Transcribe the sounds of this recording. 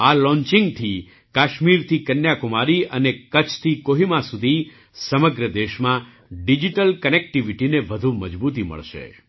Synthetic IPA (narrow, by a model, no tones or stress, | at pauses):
alɔ̃ɲt͡ʃɪ̃ŋɡt̪ʰi | kaʃmiɾt̪ʰikənjakʊmaɾiʔənekət͡ʃʰt̪ʰikoɦimãsud̪ʱi | səməɡɾəd̪eʃmã | ɖid͡ʒiʈəlkənek̚ʈiʋiʈineʋəd̪ʱuməd͡ʒbut̪imə̰ɭʃḛ